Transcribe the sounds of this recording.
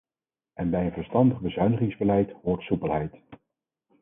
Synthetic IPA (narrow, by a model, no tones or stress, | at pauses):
ʔɛnbɛjənvəɹstɑndəχbəzœɥnəχɪŋzbəlɛjtɦʊːɹtsupəlˠɦɛjt